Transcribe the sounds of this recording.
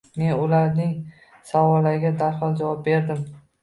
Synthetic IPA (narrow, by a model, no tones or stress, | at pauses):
me̞nʊlaɾnɪŋ | savɒlːaɾɪɡʲad̪aɾhɒlˠd͡ʒavɒp̚be̞ɾd̪ɪm